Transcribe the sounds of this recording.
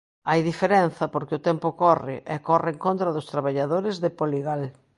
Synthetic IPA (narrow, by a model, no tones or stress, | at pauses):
ajðifeɾɛnθɐpoɾkɪʊt̪ɛmpʊkɔrɪ̰ʔɛkɔrɪeŋkont̪ɾɐðʊst̪ɾaβaʎaðoɾɪzðɪpoliɣal